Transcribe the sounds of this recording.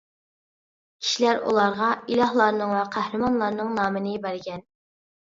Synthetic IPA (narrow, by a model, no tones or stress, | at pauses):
kʲʰi̥ʃilæɾṵlˠɑɾʁɑilˠɑhlˠɑɾnɨŋwɛqʰæhɾɪmɑnlˠɑɾnɨŋnɑːmɨnɪbæɾɡʲɛn